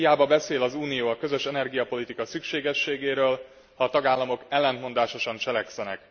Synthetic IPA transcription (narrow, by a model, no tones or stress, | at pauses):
ijaːbɒbɛseːlɒzuːnijoːɒkø̞zø̞ʃɛnɛrɡijɒpo̞lit̪ikɒsykʃeːɡɛʃːeːɡeːɾøːl | hɒːt̪ɒɡaːlːɒmo̞kɛlːɛnt̪mo̞nd̪aːʃo̞ʃɒnt͡ʃɛlɛksɛnɛ̰k